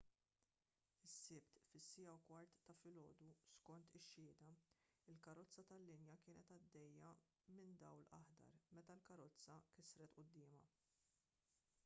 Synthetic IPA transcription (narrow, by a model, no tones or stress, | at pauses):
ɪsːɪpt̪fɪsːɪjɐwkwɐɾt̪ːɐfɪlɔ̰ːd̪uskɔnt̪ɪʃːɪːd̪ɐɪlkɐɾɔt͡sːɐt̪ɐlːɪnjɐkɪːnɛt̪ɐd̪ːɛjːɐ | mɪnd̪ɐwlɐ̰ħd̪ɐ̰ɾmɛt̪ɐlkɐɾɔt͡sːɐkɪsɾɛt̪ʔʊd̪ːɪːmɐ